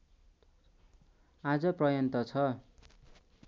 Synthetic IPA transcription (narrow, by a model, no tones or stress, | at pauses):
ad͡zʌprʌjʌnt̪ʌt͡sʰʌ